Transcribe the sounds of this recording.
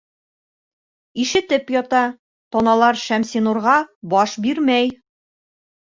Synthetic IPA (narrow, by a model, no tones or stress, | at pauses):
iʃɘ̆t̪ɘpjɒt̪ɑ | t̪ɒnɑlˠɑɾʃæmsinuɾʁɑbɒʃbiɾmæj